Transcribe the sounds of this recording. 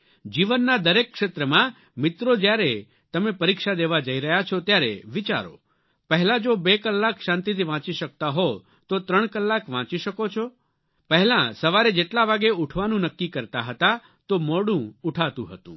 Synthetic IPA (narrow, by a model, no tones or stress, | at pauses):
d͡ʒiʋənːad̪əɾekːʃet̪ɾəmã | mɪt̪ɾod͡ʒjaɾe | t̪əmepəɾikʃad̪eʋad͡ʒəiɾəɦjat͡ʃʰɔt̪jaɾḛʋit͡ʃa̰ɾo̰ | pəɦɛlad͡ʒobekəlːakʃãnt̪it̪ʰiʋãt͡ʃiʃək̚t̪aɦo | t̪ot̪ɾəɳ̃kəlːakʋãt͡ʃiʃəkot͡ʃʰo | pəɦɛlãsəʋaɾed͡ʒeʈlaʋaɡeuʈʰʋanũnəkːikəɾt̪aɦət̪a | t̪omɔɽũuʈʰat̪ṵ̃ɦət̪ṵ̃